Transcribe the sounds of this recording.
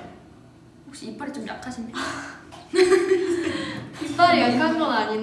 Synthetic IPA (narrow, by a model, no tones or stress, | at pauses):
hok̚ɕ͈iip͈aɾit͡ɕomna̰kʰaɕʰinːi | ip͈aɾiʌipʰanɡʌɡaɲim